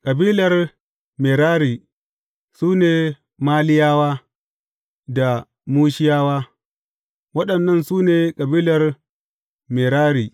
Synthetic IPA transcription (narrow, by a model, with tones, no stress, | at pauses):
kʼɐ˨biː˦lɐ˨r | me˨ɾaː˦ɾiː˨ | suː˦neː˨ | maː˦lɪ˦jaː˦waː˦ | da˨ | muː˦ʃɪ˦jaː˦waː˦ | wɐ˦ɗɐ˨nːɐ˦nsuː˦neː˨kʼɐ˨biː˦lɐ˨r | me˨ɾaː˦ɾiː˨